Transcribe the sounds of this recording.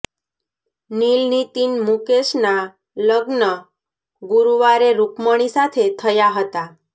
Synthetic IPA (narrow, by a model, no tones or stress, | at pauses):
nilnit̪inmukeʃna | ləɡnə | ɡuɾuʋaɾeɾukməɽ̃isat̪ʰet̪ʰəjaɦət̪a